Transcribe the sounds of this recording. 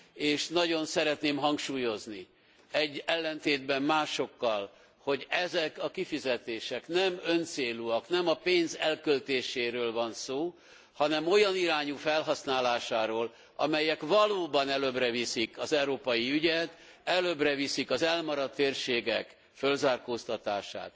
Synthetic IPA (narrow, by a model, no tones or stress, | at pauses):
eːʃnɒɟo̞nsɛɾɛt̪neːmɦɒŋkʃuːjo̞zni | ɛɟːɛlːɛnt̪eːd̪bɛmmaːʃo̞kːɒl | ho̞ɟɛzɛkɒkifizɛt̪eːʃɛknɛmø̞nt̪seːluɒknɛmɒpeːnzɛlkølt̪eːʃeːɾøːlvɒnsoː | hɒnɛmo̞jɒniɾaːɲufɛlɦɒsnaːlaːʃaːɾoːl | ɒmɛjɛkvɒloːbɒnɛløbrɛvisikɒzɛwɾoːpɒjiyɟɛt̪ | ɛløːbrɛvisikɒzɛlmɒɾɒt̪ːeːrʃeːɡɛk | følzaːrkoːst̪ɒt̪aːʃa̰ːt̪